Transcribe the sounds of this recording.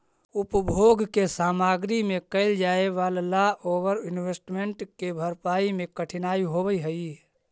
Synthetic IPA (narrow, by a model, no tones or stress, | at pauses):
ʊpbʱoɡkesaːmaːɡɾimẽkəɪld͡ʒaːeʋaːllaoːʋəɾɪnwesʈmeɳʈkebʱəɾpaːimẽkəʈʰɪnaːiɦobəiɦəi